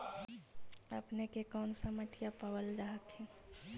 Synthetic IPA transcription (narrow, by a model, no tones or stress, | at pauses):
əpnekekɔːnsəmət̪japəwəlɾaɦəkɦɛ̃